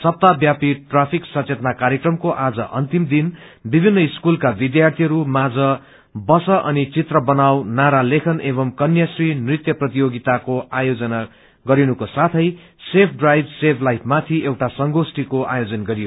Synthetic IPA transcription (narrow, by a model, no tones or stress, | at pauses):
sʌp̚t̪abjapiʈrapʰiksʌt͡set̪nakaɾjekrʌmkoʔad͡zʌʔʌ̰nt̪imd̪in | bibʱinːʌiskulkabid̪jart̪ʰijɾumad͡zʌ | bʌsʌʔʌnit͡sit̪rʌbʌnawnaɾalekʰʌnebʌmkʌnjasrinrit̪jʌprʌt̪ijoɡit̪akoajod͡zʌna | ɡʌɾinukosat̪ʰʌj | sepʰɖrajbsepʰlajpʰmat̪ʰiewʈasʌŋɡosʈikoʔajod͡zʌnɡʌɾijo